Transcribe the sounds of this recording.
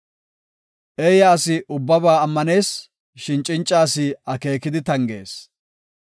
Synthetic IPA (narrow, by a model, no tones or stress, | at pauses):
ʔeːjɐːsɪʔʊbːɐbaːɐmːɐne̞ːs | ʃɪnt͡ʃʼːɪnt͡ʃʼːaːsɪɐke̞ːkːɪd̪ɪt̪ɐŋɡe̞̰ːs